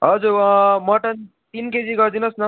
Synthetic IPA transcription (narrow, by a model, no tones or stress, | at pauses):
ɦʌd͡zuɾmʌʈʌn | t̪inked͡ziɡʌɾd̪inʌsnʌ